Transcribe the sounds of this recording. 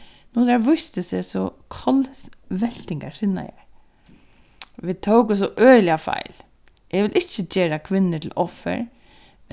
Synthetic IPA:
nuːɡaɹʋʊst̪əsɛsɔkʰɔlsʋɛl̥t̪ɪŋɡasɪna̰jɛ̰ | ʋɪt̪ʰoʊkəs̬ɔʔœːlɪafa̰ɪl | jɛʋɪlʔɪt͡ʃːəd͡ʒeːɾakʰʋɪnːəʈʰɪlʔɔfːə̰ɹ

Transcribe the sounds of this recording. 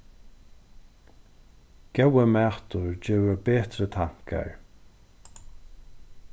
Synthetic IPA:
ɡ̥ɛwəmɛːht̪ʊɹd͡ʑeːvəɾbeːt̪ɾət̪ʰaŋ̥ka̰ɹ

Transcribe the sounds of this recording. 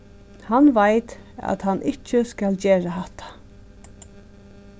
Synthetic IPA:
hanʋajt̪æ̰t̪hanːʔɪt͡ʃːəskæld͡ʒeːɹaɦat̪ʰḁ

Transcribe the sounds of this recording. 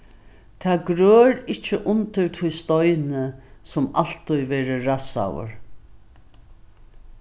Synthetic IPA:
t̪ʰaːɡɾøːɾɪt͡ʃːəʔʊnt̪əɾt̪ʰʊjst̪ɔjnəsʊmal̥t̪ʊjʋɛːɾəɾasa̰wə̰ɹ

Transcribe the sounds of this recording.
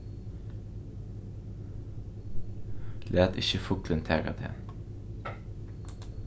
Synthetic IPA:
læːt̪ɪçəfʊklənt̪ʰæːɡɑ̰d̪ʰḛːn

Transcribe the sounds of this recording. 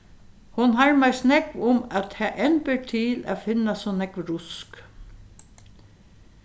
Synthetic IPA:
hʊnɦaɹmæjsnɛkʋʊmat̪hɛːʔɛnpəʈʰiːla̰fɪnasɔnɛkʋɾʊsk

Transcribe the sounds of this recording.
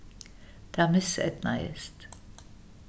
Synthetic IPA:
d̪̥ɛmɪsɛ̰t̪na̰ɪ̰st

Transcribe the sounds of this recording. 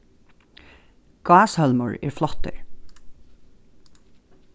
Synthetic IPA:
ɡ̥ɑːshœlmʊ̰ɹeːɹflɔt̪ə̰ɹ

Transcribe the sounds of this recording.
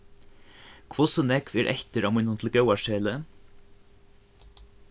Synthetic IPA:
kʰʋɔsənɛkʋeːɾʔɛ̰çt̪əɾɑːmɪnʊnt̪ʰl̩ɡœwɑʃeːlə

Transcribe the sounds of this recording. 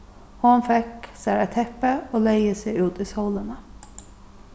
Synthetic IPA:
hʊnfɛksæːɾæt̪ʰɛpəoːleɪəsɛɪʉːt̪iːsɔʊlənə

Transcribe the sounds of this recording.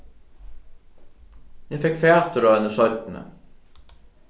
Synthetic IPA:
jɛfɛkfjaːt̪ʏɾavɛnːɪsɔɥt̪nʏ̰

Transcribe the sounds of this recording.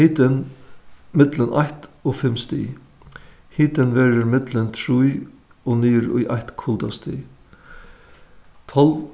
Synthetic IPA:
hiːt̪ɪn | mɪt̪lənʔaht̪ɔfɪmst̪ḭː | hiːt̪ɪnʋɛːɾəɾmɪt̪lənt̪ʰɾuj | ɔniːɾʊ̰jʔaht̪kʰʊlt̪ast̪ḭ | t̪ʰɔl

